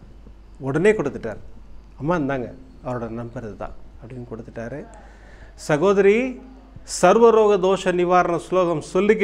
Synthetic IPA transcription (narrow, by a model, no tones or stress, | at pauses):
ɔɽɐneːkɔɽɯt̪ːɯʈːa̰ːɾɐmːaːɛnd̪aːŋɡɐ̰ | ɐʋɐɾoːɽɐnɐmbɐɾɐðɯt̪ã̰ːɐpːɐɽɪnːkɔɽɯt̪ːɯʈːaːɾɯ | sɐɣoːðɐɾi | sɐɾʋɐɾoːɣɐd̪oːʂɐnɪʋaːɾɐɳɐsloːɣɐmsɔlːɪkː